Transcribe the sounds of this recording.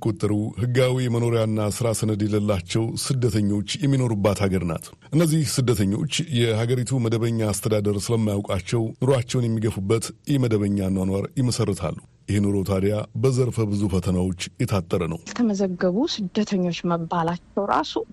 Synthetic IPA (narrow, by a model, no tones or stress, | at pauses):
kʼot̪ʼːəɾuhɨɡːawiməno̞ɾjanːasɨɾasənəd̪ɛləlːat͡ʃːɛwsɨd̪ːət̪ʰəɲːo̞t͡ʃːjɛmːino̞ɾubːat̪haɡəɾna̰t̪ | ʔɨnːəzːihsɨd̪ːət̪ʰəɲːo̞̰t͡ʃːjɛhaɡəɾit̪ʰuməd̪əβəɲːaːst̪ʰəd̪ad̪əɾsɨləmːajawkʼat͡ʃːɛwnɨɾoat͡ʃːɛwnjɛmːiɡəfubːət̪jɪhməd̪əβəɲːanwanwaɾjɪməsərːət̪ʰa̰lːu | jɪhnuɾo̞t̪ʰad̪jabəzəɾfəbɨzufət̪ʰənawo̞t͡ʃːjɛt̪ʰat̪ʼːəɾənəwlt̪ʰəməzəɡːəβusɨd̪ət̪ʰəɲːo̞t͡ʃːməbːalat͡ʃːɛwɾa̰su